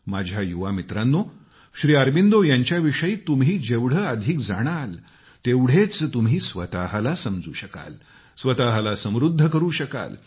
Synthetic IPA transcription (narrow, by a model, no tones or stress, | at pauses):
mad͡ʑʱjajuʋamit̪ɾãnːo | ɕɾiːaɾbind̪ojaɲt͡ɕjaʋiʂəjiːt̪umɦiːd͡ʑeʋɽ̤əad̪ʱiːkd͡zaɽ̃al | t̪eʋɽ̤et͡st̪um̤ɦiːsʋət̪aɦalasəmd͡zṵːɕəka̰l | sʋət̪aɦalasə̃m̃ɾud̪ʱːəkəɾuːɕəka̰l